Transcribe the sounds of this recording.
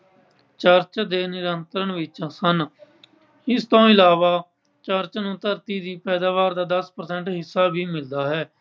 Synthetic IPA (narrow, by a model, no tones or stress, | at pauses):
t͡ʃəɾt͡ʃd̪eːnɪɾənt̪ɾəɳʋɪt͡ʃsən | ɪst̪õːɪlaːʋaː | t͡ʃəɾt͡ʃnũːt̪əɾt̪iːd̪iːpɛːd̪aːʋaːɾd̪aːd̪əspəɾsɛ̃ɳʈɦɪsːaːbʱiːmɪld̪aːɦɛː